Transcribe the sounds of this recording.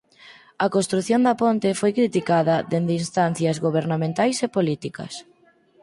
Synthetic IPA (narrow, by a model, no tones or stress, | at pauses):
ɐkost̪ɾuθjond̪ɐpont̪ɪfojkɾit̪ikaðɐðend̪einst̪anθjɐzɣoβ̞eɾnamẽnt̪ajsepolit̪ikɐ̰s